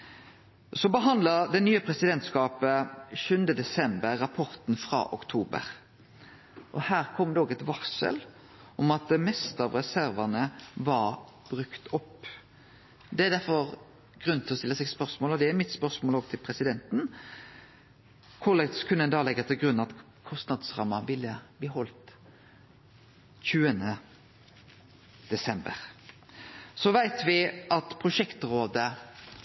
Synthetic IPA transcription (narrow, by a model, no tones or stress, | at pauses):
sɔbəɦɑnd̪ləɾd̪ɛnyːəpʰɾɛsɪd̪ɛnt̪skɑːpəʃʉnd̪əd̪ɛsɛmbəɾːɑpʰɔɾt̪n̩fɾɑ̰ːʔɔ̰kt̪ʰuːbə̰ɾ | ʔɔhæːʁkʰɔmːd̪ɛoːɡɛt̪ʋɑʁsə̰l | ɔmɑt̪̚d̪ɛmɛst̪əɑʋʁɛsæɾʋɑnəʋɑɾ | b̥ɾʉkt̪ɔpː | d̪ɛæd̪æɾfɔɾ | ɡ̥ɾʉnt̪ʰɪlɔst̪ɪlːəsɛɡspœɾsmoːlɔd̪ɛæɾmɪt̪spœʁsmoːloːɡt̪ʰɪlpʰɾɛsɪd̪ɛnt̪n | kʰʊlɛt̪skʰʉnəɛnd̪ɑːlɛɡːət̪ʰɪlɡɾʉnːɑt̪ | kʰɔst̪nɑd̪sʁɑ̰mːɑʋɪlːəb̥liːɦɔlt̪ | çʉːənə | d̪̥ɛsɛmbə̰ɾ | sɔʋæɪt̪ʋɪʔɑt̪pʰʁʊʂɛkt̪ɾoːd̪ə